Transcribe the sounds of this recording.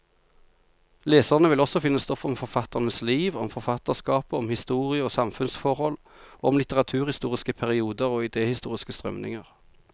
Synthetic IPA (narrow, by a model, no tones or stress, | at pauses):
leːsəʁnəʋɪlɔsɔfɪnːəst̪ɔfɔmfɔʁfɑt̪əʁnəsliːʋɔmfɔʁfɑt̪əʁskɑːpəɔmhɪst̪uːʁɪəoːsɑmfʉnsfɔʁhɔl | oːɔmlɪt̪əʁɑt̪ʰʉːʁhɪst̪uːʁɪskəpʰæʁɪuːd̪əʁoːɪd̪eːhɪst̪ṵːʁɪskəst̪ʁœmnɪ̰ŋəʁ